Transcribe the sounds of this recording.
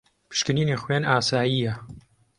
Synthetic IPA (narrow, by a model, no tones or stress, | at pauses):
pʰɨ̥ʃkɨniːniːχwenaːsaːjijɐ